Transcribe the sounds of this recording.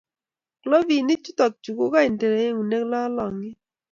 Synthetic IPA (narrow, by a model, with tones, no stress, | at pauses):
klɔ˦vi˨nɪ˦t͡ʃu˦tɔ˨k̚t͡ʃu˨ko˦ka˦i˨nte˨ɾe˨˦e˦ŋu˨ne˦kla˦lɔ˨ŋɪ˦